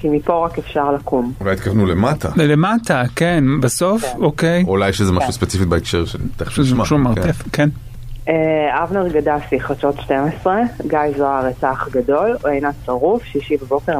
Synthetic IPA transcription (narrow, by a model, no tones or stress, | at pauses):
kimipoʁakefʃaʁlakʰumulajit̪̚kavnulemata̰lematakenbaso̞fokejulajʃezemaʃuspet͡sifit̪̚baekʃeʁʃenibt̪eʃzmaʃumaʁttefken | eavneʁɡadafiχat͡ʃot̪ʃtemesʁeɡajzoaʁet͡saχɡado̞loejnat͡saʁufʃiʃivabokeʁ